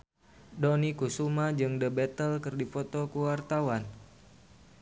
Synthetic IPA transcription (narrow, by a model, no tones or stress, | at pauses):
dɔnikusumad͡ʒɨŋdəbɛt̪əlkɨrdifot̪okuwart̪awan